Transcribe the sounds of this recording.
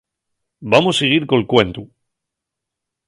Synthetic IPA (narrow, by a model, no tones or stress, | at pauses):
bamoseɣ̞iɾko̞lkwe̞nt̪u